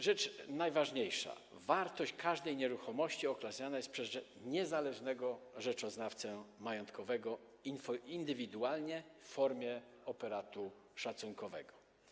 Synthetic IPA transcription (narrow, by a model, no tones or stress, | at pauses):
ʐɛt͡ʂnajvaʐɲejʂa̰ | vaɾt̪ɔɕt͡ɕkʰaʐd̪ɛjɲɛɾuxɔmɔɕt͡ɕiɔklasɲanajɛst̪̚pʂɛz | ɲɛzalɛʐnɛɡɔʐɛt͡ʂɔznaft̪sɛmajɔnt̪kɔvɛɡɔ | iind̪ɘvʲid̪ualɲɛfːɔɾmʲjɛ | ɔpɛɾat̪uʂat̪suŋkɔvɛ̰ɡɔ